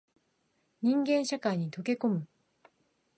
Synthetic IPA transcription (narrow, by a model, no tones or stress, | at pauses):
ɲĩŋɡẽ̞nɕakaɲit̪oke̞komɯ